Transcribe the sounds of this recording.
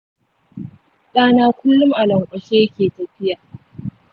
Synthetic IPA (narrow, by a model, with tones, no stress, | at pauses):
ɗʼaː˦naː˦kʷʊ˦lːʊ˦mʔa˨lɐ˨ŋkʷʼɐ˨ʃeː˦jkʲeː˨tɐ˨ɸɪ˦jaː˨